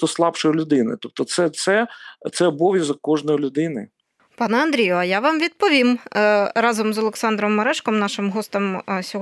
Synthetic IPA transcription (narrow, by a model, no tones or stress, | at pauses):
t̪ɔslˠɑpʃɔjilʲʊd̪ɪnɪ̰t̪ɔp̚t̪ɔt̪sɛt̪sɛt̪sɛɔbɔʋʲjɐzɐkɔʒnɔjlʲʊd̪ɪnɪ | pɑnɛɐnd̪ɾʲijʊɐjaʋɑmʋʲid̪̚pɔʋʲimɾɑzɔmzɔlˠeksɑnd̪ɾɔmːɐɾɛʃkɔmnɑʃɪmɦɔst̪ɔmsʲɔɦ